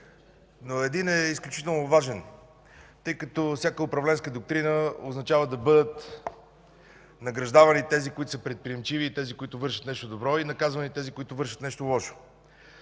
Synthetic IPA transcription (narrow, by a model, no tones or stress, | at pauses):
noɛd̪inɛisklʲut͡ʃit̪ɛlˠnovaʒɛn | t̪ɤjkət̪ɔfsʲjakəʊpɾɐvlɛnskəd̪ok̚t̪ɾinəoznɐt͡ʃavəd̪ɐbɤd̪ət̪ | nɐɡɾɐʒd̪avɐnit̪ɛzikoʊit̪ʊ̥səpɾɛt̪̚pɾiɛmt͡ʃiviːt̪ɛzikoit̪ʊvɤɾʃə̥t̪nɛʃt̪od̪obɾɔinɐkazvɐnit̪ɛzikoit̪ʊvɤɾʃə̥t̪nɛʃt̪olˠɔʃo̥